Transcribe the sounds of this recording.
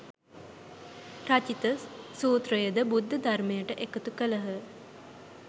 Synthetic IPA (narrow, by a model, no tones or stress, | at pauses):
rat͡ʃit̪əsuːt̪rəjəd̪əbud̪ʱːəd̪armejəʈəʔekət̪ukələɦə